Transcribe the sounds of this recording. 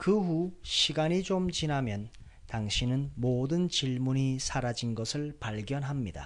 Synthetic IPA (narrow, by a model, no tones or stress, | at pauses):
kɯɸuɕʰiɡaɲid͡ʑomt͡ɕinamjʌn | taŋɕʰinɯnmodɯnt͡ɕiɭmuɲisʰaɾad͡ʑinɡʌsʰɯɭpaɭɡjʌnɦamɲida̰